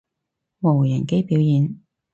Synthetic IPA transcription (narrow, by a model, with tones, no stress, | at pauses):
mo˨˩wjɐ˨˩ke˥jpi˨˥wjiː˨n